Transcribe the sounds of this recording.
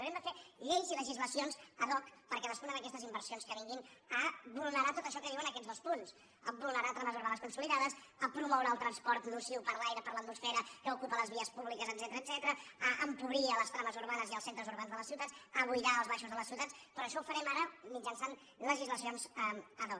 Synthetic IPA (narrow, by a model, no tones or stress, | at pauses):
ɾɛmd̪əfeʎejziləʒizləsionzəðɔkpəɾkɛðəspunənəkɛst̪əzimbəɾsionskəβiŋɡinəβulˠnəɾat̪ot̪əʃɔkəiwənəkɛd͡zðəlspuns | əbulˠnəɾat̪ɾaməzuɾβanəskunsuliðaðəsəpɾumɔwɾaəlˠt̪ɾənspɔɾt̪nusiwpəɾlajɾəpəɾlət̪musfɛɾəkəukupələzβiəspuβlikəzəd̪zɛt̪əɾəːd̪zɛt̪əɾəəʔəmpuβɾiələst̪ɾaβəzuɾβanəziəlˠsent̪ɾəzuɾβanzðələsiwt̪asəβujðaəlˠzβaʃuzðələsiwt̪aspɾɔəʃɔufəɾɛmaɾəmid͡ʒənsan | ləʒizləsionzəəðɔ